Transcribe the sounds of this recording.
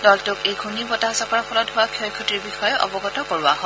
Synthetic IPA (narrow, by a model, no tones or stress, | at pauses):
dɔltʊkejɡʱunibɔtaɦasɔkɔɹʰɔlɔtɦʊwakʰɔjkʰɔtiɹbixɔjɛʔɔ̰bɔɡɔtɔkoɹʊwaɦɔ